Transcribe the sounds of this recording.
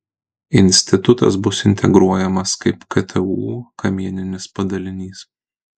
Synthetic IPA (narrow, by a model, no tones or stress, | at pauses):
ɪnʲsʲt̪ʲɪt̪ʊt̪ɐ̰sbʊsɪnʲt̪ʲɛɡɾuɔjɛmɐskɐɪpkɐt̪ʰʲɛuːkɐmʲiɛnʲɪnʲɪspɐd̪ɐlʲɪnʲiːs